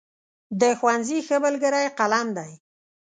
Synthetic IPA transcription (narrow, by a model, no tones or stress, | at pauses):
d̪əxwanzixəbəlɡəɾajqalamd̪aj